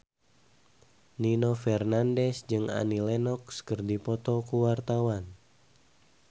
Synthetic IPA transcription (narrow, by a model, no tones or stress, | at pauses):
ninofɛrnandɛsd͡ʒɨŋa̰nilɛnɔkskərdipɔt̪ɔkuwart̪awan